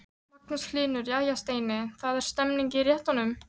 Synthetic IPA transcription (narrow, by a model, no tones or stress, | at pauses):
maknʏsklɪːnʏɾiaːjast̪eːjnɪθaðɛɾ̥st̪ɛmniɲcɪɾjɛht̪anʏm